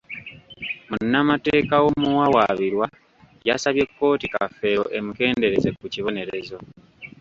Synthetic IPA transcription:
munːamateːkawomuwawaβiɾwa | jasaβje̞kːo̞ːtika̰fːe̞oʔe̞muke̞ːnde̞ɾe̞ze̞kuciβo̞ne̞ɾe̞zo̞

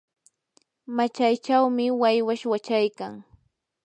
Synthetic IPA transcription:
mat͡ʃajt͡ʃawmɪwajwaʃwat͡ʃajkaŋ

